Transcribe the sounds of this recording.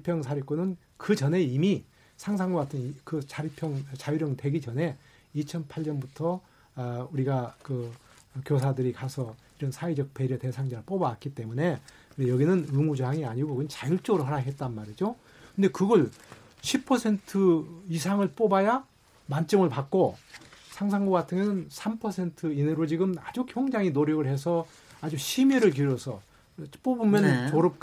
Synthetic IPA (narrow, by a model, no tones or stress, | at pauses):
pʰjʌŋsʰaɾik͈onɯn | kɯt͡ɕʌne̞imi | sʰaŋsʰaŋɡaɡatʰɯnkɯt͡ɕaɾipʰjʌŋt͡ɕajuɾjʌŋte̞ɡit͡ɕʌne̞ | it͡ɕʰʌnpʰaɭɲʌnbutʰʌ | uɾiɡakɯkjos̬ʰadɯɾikasʰʌ | iɾʌnsʰaid͡ʑʌk̚p͈e̞ɾjʌte̞sʰaŋd͡ʑaɾɯɭp͈obak͈it͈e̞mune̞ | kɯjʌɡinɯnɯmud͡ʑoɦaŋiaɲiɡokɯnt͡ɕajuɭt͡ɕ͈oɡɯɾoɦaɾaɦe̞t̚t͈anmaɾid͡ʑo | kɯndekɯɡʌɭ | ɕʰipʰʌsʰe̞ntʰɯisʰaŋɯɭp͈obaja | mant͡ɕ͈ʌmɯɭpak̚k͈osʰaŋsʰaŋɡoɡatʰɯŋʌnɯnsʰampʰʌsʰe̞ntʰɯineɾot͡ɕiɡɯmad͡ʑukʰjʌŋd͡ʑaŋinoɾjʌɡɯɭhe̞sʰʌ | ad͡ʑuɕʰimiɾɯɭk̬uɾjʌsʰʌ̰ | p͈obumjʌnt͡ɕoɾʌp̚k